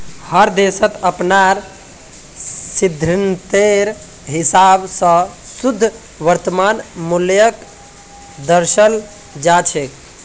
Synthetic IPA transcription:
həɾd̪esət̪əpnaɾ | sid̪ʱɾint̪eɾ | ɦisabsə̃sud̪ʱː | ʋəɾt̪əmanmuljək | d̪əɾʃəl | d͡ʒat͡ʃʰek

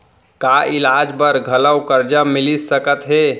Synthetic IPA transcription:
kaʔilad͡ʒbəɾɡʱələwkəɾd͡ʒamilisəkət̪ɦe

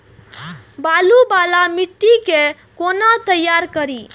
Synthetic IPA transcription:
balubalamiʈːike | konat̪əjːaɾkəɾi

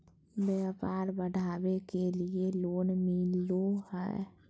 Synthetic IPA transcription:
bjapaːɾbəɽ̤ʱaːbekelieloːnmɪlohɛ̰ː

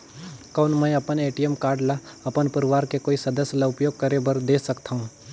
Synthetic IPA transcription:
kɐʊnmə̃jɐpəneːʈijəmkaːɾɖlaɐpənpɐɾɪʋaːɾkekoːisɐd̪əsjlaʊpjoːɡ̚kɐɾebɐɾd̪eːsɐkt̪aɦũː

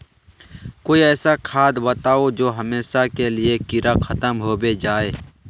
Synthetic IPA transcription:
koːiɛːsakʰaːd̪bət̪aːod͡ʒoːɦɐmeːʃakelɪekɪɾʔaxʰɐt̪əmɦoːbed͡ʒaːeː

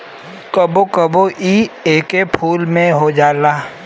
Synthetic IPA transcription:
kəbokəboʔiːeːkepʰuːlmẽɦod͡ʒaːlaː

